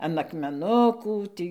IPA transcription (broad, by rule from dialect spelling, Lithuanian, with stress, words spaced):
ɐn ɐkmʲɛˈnʊkuː ˈtʲiː